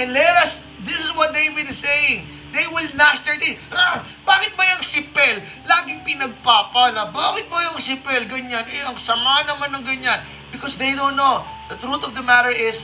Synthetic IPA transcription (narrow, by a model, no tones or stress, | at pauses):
ʔɛnlɛɾɐs | d̪ɪsɪswɔt̪̚d̪ejmidsejɪŋ | d̪ejwɪlnast̪əɹd̪ɪ | b̥aːkɪt̪̚bɐjɐŋsɪpɛlː | aːɡɪŋpɪnɐɡ̚paːpɐnɐbaːkɪt̪̚bɐjɐŋsɪpɛlɡɐɲanʔɛʔɐŋsɐmahɐnɐmanːɐŋɡɐɲan | bɪkɔsd̪ejd̪ownːod̪ɐt̪ɹut̪ɔvd̪ɐmat̪əɹɪs